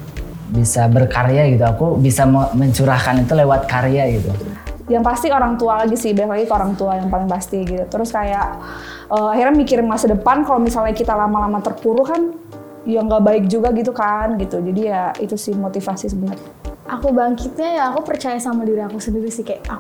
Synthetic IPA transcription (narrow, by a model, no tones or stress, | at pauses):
bisabərkaɾeaɡit̪̬uakubisaməməɲt͡ʃuɾahkanit̪ulewat̪̚kaɾeaɡit̪ujaŋpast̪ioɾaŋt̪ualaɡisɪhbajaklaɡikoɾaŋt̪uajaŋpalɪŋpast̪iɡit̪ut̪əɾʊskajaʔ | əːahirɲamikɪɾɪnmasədəpankalomisalɲakit̪alamalamat̪ərpuɾukan | jaŋɡaʔbaɪk̚d͡ʒuɡaɡit̪ukanɡit̪ud͡ʒadijait̪usɪhmot̪ifasisəbənət̪ | ʔakubaŋkit̪̚ɲajaːkupərt͡ʃajasamadiɾiakusəndiɾisɪhkajaʔa